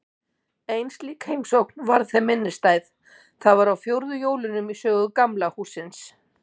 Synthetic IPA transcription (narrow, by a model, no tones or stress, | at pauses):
ejnst̪liːkhejmsowk̚nvaɾðθɛmːɪnːɪst̪aːjð | θaðvaɾawfjowɾðʏjoːwlʏnʏmisœːɣʏkamlahuːsɪns